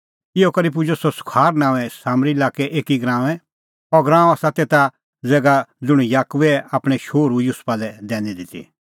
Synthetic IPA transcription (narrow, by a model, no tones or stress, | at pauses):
ɪɔkɐɾip̬ʊd͡ʒosɔsʊ̥kʰaːɾnãːʋɛsaːmɾilaːkɛʔeːkiɡɾãːʋ̃ɛ̃ | ɔɾɡɾãːaːsat̪et̪a | d͡zɛːɡad͡zʊɽ̃ujaːkʊʋɛapɽ̃ɛʃoːɾujʊspalɛd̪ɛːnid̪ɪt̪ḭ